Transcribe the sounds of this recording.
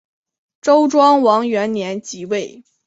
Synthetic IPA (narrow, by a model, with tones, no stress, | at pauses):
ʈ͡ʂo˥ʊʈ͡ʂwɑ˥ŋwɑ˧˥ŋɥɛ˧˥nnjɛ˧˥nt͡ɕi˧˥we˥˩ɪ